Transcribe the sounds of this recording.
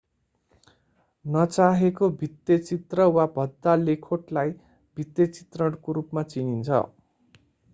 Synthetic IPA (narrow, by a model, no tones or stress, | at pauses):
nʌt͡saɦekobʱit̪jʌt͡sit̪rʌwabʱʌd̪ːalekʰoʈlaj | bʱit̪jʌt͡si̥t̪rʌɽkoɾupmat͡sinint͡sʰʌ̰